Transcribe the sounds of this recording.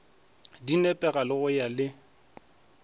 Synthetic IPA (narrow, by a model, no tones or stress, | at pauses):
dinɛpʼɛɣalɪɣʊjalɪ